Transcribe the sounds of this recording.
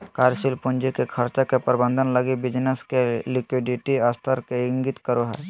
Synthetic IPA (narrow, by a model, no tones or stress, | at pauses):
kaːɾsilpʊnd͡ʒikekʰəɾt͡ʃakepəɾbə̃nd̪ʱənləɡibɪd͡ʒneskelɪkwɪɖɪʈiaːst̪ʰəɾkeɪ̃ŋɡɪt̪kəɾoɦɛ̰ː